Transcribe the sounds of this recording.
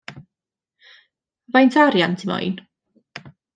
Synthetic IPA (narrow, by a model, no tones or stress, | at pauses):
vajntʰaɾjantʰimɔ̰jn